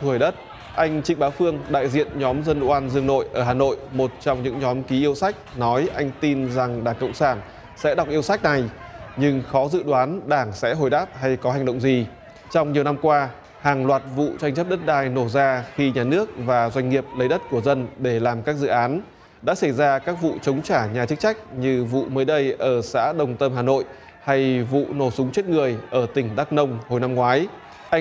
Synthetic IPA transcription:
t̪ʰu˧˩əjɗə˦˥t̚ | ʔa˧jŋ̟t͡ɕï˧˥ŋ̟ɓaː˨˦wfɨ˧əŋɗa̰ː˧˨jzḭ˧˨ənɲɔ˨˦mzə˧n˧ʔwaː˧nzɨ˧əŋno̰˧˨jʔəː˧˩ɦaː˨˩no̰˧˨jmo˨˩t̚t͡ɕɔ˧wŋ͡mɲɨ̰˧˥ŋɲɔ˨˦mki˨˦ʔi˧əwsa˦˥jk̟̚nɔ˨˦jʔa˧jŋ̟t̪i˧nza˨˩ŋɗaː˧˩ŋkə̰˧˨wŋ͡msaː˧˩n | sɛ̰˧˥ɗa˨˩wk͡p̚ʔi˧əwsa˦˥jk̚na˨˩jɲɨ˧ŋxɔ˨˦zɨ̰˧˨ɗwaː˨˦nɗaː˧˩ŋsɛ̰˧˥ɦo˨˩jɗaː˦˥p̚ɦa˧jkɔ˨˦ɦa˨˩ŋ̟ɗə̰˧˨wŋ͡mzi˨˩ | t͡ɕɔ˧wŋ͡mɲi˨˩əwna˧mkwaː˧ | haː˨˩ŋlwaː˨˩t̚vṵ˧˨t͡ɕa˧jŋ̟t͡ɕə˦˥p̚ɗə˦˥t̚ɗaː˧jno˧˩zaː˧xi˧ɲaː˨˩nɨ˦˥ək̚vaː˨˩zwa˧jŋ̟ŋi˨˩əp̚lə˨˦jɗə˦˥t̚ku˧˩əzə˧nɗe˧˩laː˨˩mkaː˦˥k̚zɨ̰˧˨ʔaː˨˦n | ɗa̰ː˧˥sa˧˩jzaː˧kaː˦˥k̚vṵ˧˨t͡ɕə˨˦wŋ͡mt͡ɕaː˧˩ɲaː˨˩t͡ɕɨ˦˥k̚t͡ɕa˦˥jk̟̚ɲɨ˧vṵ˧˨məː˨˦jɗə˧jʔəː˧˩sa̰ː˧˥ɗə˨˩wŋ͡mt̪ə˧mɦaː˨˩no̰˧˨j | ha˧jvṵ˧˨no˧˩sʊ˨˦ŋ͡mt͡ɕe˦˥t̚ŋɨ˨˩əjʔəː˧˩t̪ï˧˩ŋ̟ɗaː˦˥k̚nə˧wŋ͡mho˨˩jna˧mŋwaː˨˦j

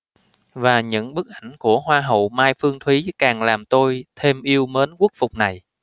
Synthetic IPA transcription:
vaː˨˩ɲɨ̰˧˥ŋɓɨ˦˥k̚ʔa˧˩jŋ̟ku˧˩əhwaː˧ɦə̰˨wmaː˧jfɨ˧əŋt̪ʰwi˨˦kaː˨˩ŋlaː˨˩mt̪o˧jt̪ʰe˧mʔi˧əwməː˨˦nku˦˥ək̚fʊ˨˩k͡p̚na˨˩j

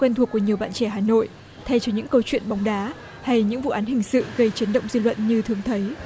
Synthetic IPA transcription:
kwɛ˧nt̪ʰu˧˩əkːəɲi˨˩əwɓa̰ː˧˨nt͡ɕɛ˧˩ɦaː˨˩no̰˧˨jʔ | t̪ʰɛ˧jt͡ɕɔ˧ɲɨ̰˧˥ŋkə˧wt͡ɕwḭ˧˨ənɓa˨˦wŋ͡mɗaː˨˦ | ha˧jɲɨ̰˧˥ŋvṵ˧˨ʔaː˨˦nhï˨˩ŋ̟sɨ̰˧˨ɣə˧jt͡ɕi˨˦nɗə̰˧˨wŋ͡mzi˧lwə̰˧˨nɲɨ˧t̪ʰɨ˨˧˩əŋt̪ʰə˨˦j

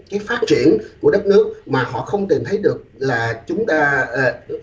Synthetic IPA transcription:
kaː˨˦jfaː˦˥t̚t͡ɕi˧˩ənku˧˩əɗə˦˥t̚nɨ˦˥ək̚maː˨˩hɔ̰˧˨xə˧wŋ͡mt̪i˨˩mt̪ʰə˨˦jɗɨ˨˩ək̚laː˨˩t͡ɕʊ˨˦ŋ͡mt̪aː˧˨˧

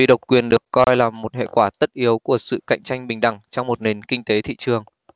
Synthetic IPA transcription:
ḭ˧˨ɗə˨˩wk͡p̚kwi˨˩ənɗɨ˨˩əkːɔ˧jlaː˨˩mːo˨˩t̚hḛ˧˨kwaː˧˩t̪ə˦˥t̚ʔi˨˦əwku˧˩əsɨ̰˧˨ka̰˧˨jŋ̟t͡ɕa˧jŋ̟ɓï˨˩ŋ̟ɗa˧˩ŋt͡ɕɔ˧wŋ͡mmo˨˩t̚ne˨˩nkï˧ŋt̪e˨˦t̪ʰḭ˧˨t͡ɕɨ˨˩əŋ

